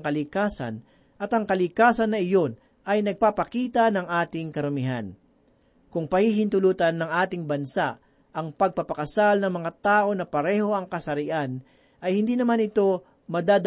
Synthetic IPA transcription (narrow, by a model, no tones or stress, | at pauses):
ŋkɐlɪkaːsɐ̰n | ʔɐt̪ɐŋkɐlɪkaːsɐnːɐʔɪjo̞n | ʔɐjnɐɡ̚papɐkiːt̪ɐnɐŋʔaːt̪ɪŋkɐɾʊmɪɦa̰n | kʊŋpɐhihɪnt̪ʊluːt̪ɐnːɐŋʔaːt̪ɪŋbɐnsaʔ | ʔɐŋpɐɡ̚pɐpɐkɐsalnɐŋmɐŋat̪aːʔo̞nɐpɐɾɛːho̞ʔɐŋkɐsɐɾɪʔan | ʔɐjhɪnd̪iːnɐmanɪt̪o̞ | mɐd̪aːd̪